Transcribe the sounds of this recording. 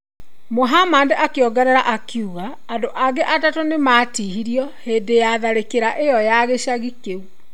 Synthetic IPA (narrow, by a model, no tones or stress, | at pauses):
moɦamandeʔakeɔɡɛɾɛɾaʔakjuɣaːndoʔaɡɛʔatatonemaːtihiɾiɔheːdejaðaɾekeɾaʔejɔjaɣeɕaɣikeu